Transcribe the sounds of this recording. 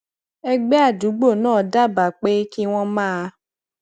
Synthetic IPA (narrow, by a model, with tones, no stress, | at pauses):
ɛ˦ɡ͡bɛ˦a˦˨du˨˦ɡ͡bo˦˨nãː˦˨˦da˦ba˨k͡pe˦ki˦w̃ɔ̃˦mãː˦˧